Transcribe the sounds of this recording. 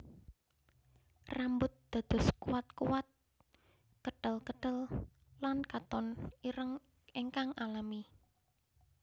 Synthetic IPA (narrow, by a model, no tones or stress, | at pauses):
rambʊt̪̚d̪̥a̤d̪̥ɔ̤skuwat̪̚kuwat̪̚ | kəɖ̥əlkəɖ̥ə̤l | lankat̪ɔniɾəŋ | eŋkaŋʔalami